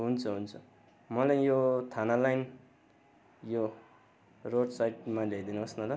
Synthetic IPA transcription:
ɦunt͡sʰʌɦunt͡sʰu | mʌlajjot̪ʰanalajn | jo | roɽsajʈ̚maled̪inuʌsnala

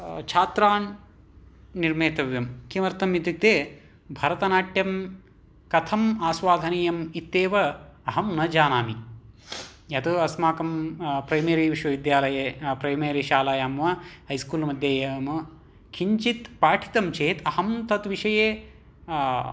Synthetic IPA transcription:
t͡ʃʰaːt̪ɾaːn | niɾmeːt̪ɐʋjɐmkimɐɾt̪ɐmid̪ik̚t̪eː | bʱɐɾɐt̪ɐnaːʈjɐm | kɐt̪ʰɐmaːsʋaːd̪ʱɐniːjɐmit̪ːeːʋɐɐɦɐmnɐd͡ʒaːnaːmi | jɐt̪uɐsmaːkɐmpɾɐjmeːɾiʋiʃʋɐʋid̪jaːlɐjɐpɾɐjmeːɾiʃaːlɐjaːmʋɐɦɐjskuːlmɐd̪ʱjɐːjɐmɐ | kʰiɲt͡ʃit̪paːʈʰi̥t̪ɐmt͡ʃʰeːt̪ʰɐhɐmt̪ɐt̪ʋiʂɐjeː

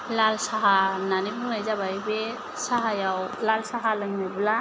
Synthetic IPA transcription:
lalsaɦananibɯŋnajzabajbe | saɦajawlalsaɦalɯŋnabɯla

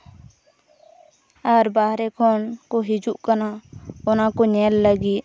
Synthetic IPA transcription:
əɾbaːɦɾekʰoːnkoɦid͡ʒuʔkənaonakoɲeːlːəɡiː

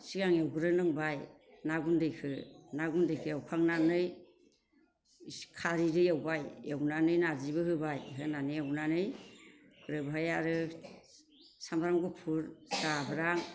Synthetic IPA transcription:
siɡaŋjawɡɯɾɯnɯŋbaj | naɡundɯjkʰɯnaɡundɯjkʰɯjawkʰaŋnanɯj | kʰaɾiɾɯjawbajawnanɯjnazibɯɦɯbajɦɯnanɯjawnanɯj | kʰɯɾɯbajaɾɯ | sambɾaŋɡupʰuɾsabɾaŋ

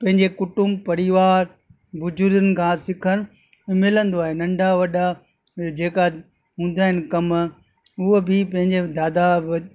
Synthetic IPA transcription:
pɐ̃ɦɪ̃ɲd͡ʑekʊʈʊmpɐɾɪʋaːɾ | bʊd͡ʑʊɾd̪ənɪ̆kʰãːsɪkʰənʊ̆ | mɪlə̃nd̪oaːɦenɐ̃ɳɖʱaʋɐɗa | d͡ʑeːka | ɦũːn̆d̪aːɦɪnɪ̆kɐm | ʊɦobɪpɐ̃ɦɪ̃ɲd͡ʑed̪aːd̪a

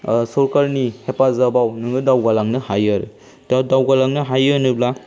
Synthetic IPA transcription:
sɔɾkaɾnihepazabawnɯŋɯdawɡalaŋnɯhajaɾɯ̰ | tadawɡalaŋnɯɦajɯnɯbla

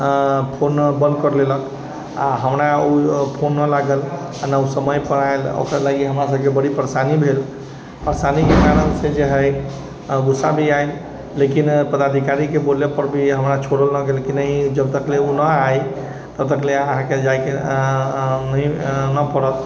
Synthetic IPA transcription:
pʰonbə̃nd̪kəɾlelək | a̰ɦəmɾaupʰonːəlaɡəl | anausəməjpəɽaelo̰kɾalaɡiɦəmɾas̬əbkebəɽipəɾsanibʱel | pəɾsanikekaɾənsed͡ʒeɦəj | ɡusabʱiael | lekinpəd̪ad̪ʱikaɾikebolepəɾbʱiɦəmɾat͡ʃʰoɽəlnəɡelkinəɦĩd͡ʒəb̚t̪əkleunəaj | t̪əb̚t̪əkleəɦãked͡ʒajke | nəinəpəɽət̪

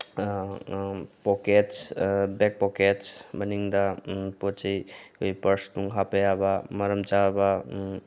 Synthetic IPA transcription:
poket͡ʃbek̚pɔket͡ʃbəniŋd̪apot͡ʃejkojpəɾstuŋɦapəjabamɐɾəmt͡ʃaba

